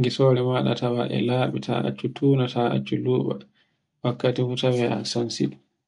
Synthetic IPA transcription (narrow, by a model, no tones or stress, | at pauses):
ŋɡisɔːɾɛmaːɗa̰tawaʔɛ̰laːɓitʰa̰a̰t͡ʃːutʰuːnataa̰t͡ʃːuluːɓa̰ | wakːatihutawɛa̰sɔnsḭɗu